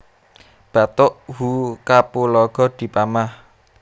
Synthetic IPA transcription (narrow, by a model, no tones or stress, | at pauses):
b̥a̤t̪ʊʔhukapulɔɡ̥ɔ̤d̪̥i̤pamah